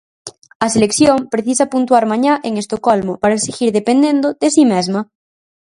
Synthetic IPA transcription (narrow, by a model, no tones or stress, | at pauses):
aselekθjompɾeθis̬apunt̪waɾmãɲaʔeŋe̞st̪okolmopaɾaesiɣiɾðepend̪end̪oðesimezma